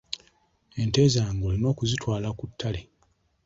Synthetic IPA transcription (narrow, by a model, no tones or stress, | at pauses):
e̞nteːzaːŋɡo̞ːlino̞ːkuzitwaːlakutʰːale